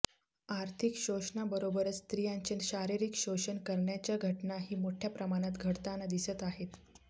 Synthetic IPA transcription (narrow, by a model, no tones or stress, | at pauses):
aɾt̪ʰikɕoʂɳabəɾobəɾət͡st̪ɾijãɲt͡ɕinɕaɾiɾiːkɕoɕənkəɾɳjat͡ɕjaɡʱəʈnaɦiːmoʈʰjapɾəmaɽ̃at̪ɡʱəɽt̪anad̪isət̪aɦet̪